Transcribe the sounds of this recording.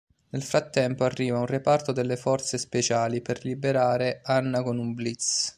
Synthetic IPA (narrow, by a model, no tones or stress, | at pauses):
nelfɾat̪ːɛmpoarːiːvaunrepart̪od̪elːefɔrt̪sespet͡ʃaːliperlibeɾaːɾeanːakonumblit̪s